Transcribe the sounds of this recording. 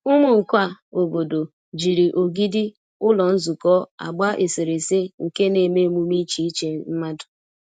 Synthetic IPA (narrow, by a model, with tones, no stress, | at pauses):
ʊ˦mʊ˨ŋ̩˨kʷa˦˨o˨bo˨do˨ | d͡ʒi˨ɾi˨ʔo˨ɡi˦dɪ˦ | ʊ˦lɔ˨n̩˦zu˨kɔ˦a̰˨ɡ͡ba˦ʔe˨se˨ɾe˨se˦ŋ̩˨ke˦ne˨me˦mu˦mi˦t͡ʃi˦i˦t͡ʃe˦m̩˦ma˦dʊ̥˨